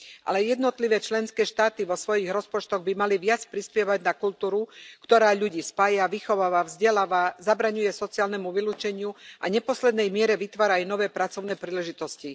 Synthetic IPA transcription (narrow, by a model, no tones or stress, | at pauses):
ʔa̰lɛjɛd̪nɔt̪liʋɛːt͡ʃlɛnskɛːʃt̪aːt̪iʋɔsʋɔjiɣɾɔspɔt͡ʃt̪ɔɣbimaliʋɪat͡spɾispɪɛʋaɟnakult̪uːɾukt̪ɔɾaːʎuɟiːspaːjaʋixɔʋaːʋavzɟɛlaːʋazabɾaɲujɛsɔt͡siaːlnɛmuʋiluːt͡ʃɛɲɪuʔa̰ɲɛpɔslɛd̪nɛjmɪɛɾɛʋit̪ʋaːɾajunɔʋɛːpɾat͡sɔʊnɛːpɾiːlɛʒit̪ɔsci